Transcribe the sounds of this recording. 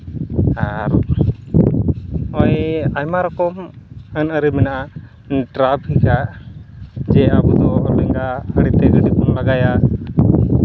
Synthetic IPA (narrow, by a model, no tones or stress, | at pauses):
aɾ | ɔjajmaɾɔkɔmənəɾimɛnaʔa | ʈɾabʱikaʔ | d͡ʒɛabɔd̪ɔlɛŋɡaəɽit̪ɛd͡ʒəd̪ikɔmlaɡajaʔ